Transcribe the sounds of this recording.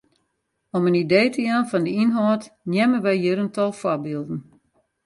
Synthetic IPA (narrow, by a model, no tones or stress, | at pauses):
ɔmənideːtəjanfɔndəinɦɔːtnjɛmənʋɛjjiɾəntɔlˠfwɔrbiːlˠdn̩